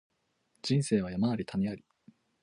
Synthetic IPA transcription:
d͡ʑĩɰ̃se̞ːβ̞ajamaaɾʲit̪ʰaɲʲiaɾʲi̥

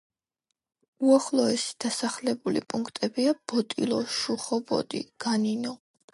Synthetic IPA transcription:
uaχlˠɔɛsi̥d̪̥asaχlɛbulḭpʼuŋkʰt̪ʼɛbiab̥ɔt̪ʼḭlˠɔʃuχɔbɔ̰d̪ḭɡ̥aninɔ

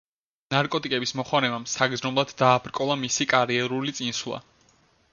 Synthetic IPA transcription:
naɾkʼɔt̪ʼikʼɛbismɔχwaɾɛbamsaɡd̪znɔblˠad̪ːaːpʰɾkʼɔlˠamisikʼaɾiɛɾulit̪sʼinswlˠa̰

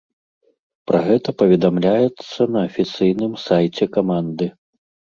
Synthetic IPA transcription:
pɾɐɣɛt̪ɐpɐvʲɛd̪amlʲajɛt̪sːɐnɐːfʲit̪sɨjnɨmsajt͡sʲɛkamand̪ɨ

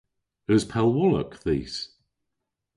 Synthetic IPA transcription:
əz̥pʰɛlˠwɔlə̰kðiːs

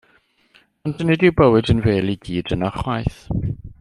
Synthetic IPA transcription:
ɔndənɛdiwbəwɨdənveːliɡ̥iːd̥ənaχwajθ

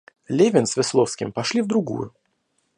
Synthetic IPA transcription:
lʲevʲɪnsvʲɪslˠofskʲɪ̰mpɐʂlʲivd̪ɾʊɡṵjʊ

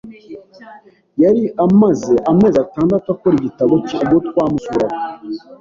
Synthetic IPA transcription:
jaɾiʔamazeʔame̞ːzataːndatwakoɾiɟitaβocbɡotwaːmusuɾako

